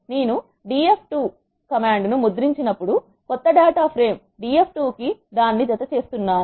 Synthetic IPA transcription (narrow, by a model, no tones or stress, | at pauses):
ne̞ːnu | ɖiːepʰʈuː | kɐmaːɳɖnumud̪ɾiɲt͡ʃinɐpːuɽu | kɔt̪ːɐɖaːʈaːpʰɾe̞ːm | ɖiːepʰʈuːkid̪aːnːid͡ʒ̪ɐt̪ɐt͡ʃe̞ːst̪unːaːnu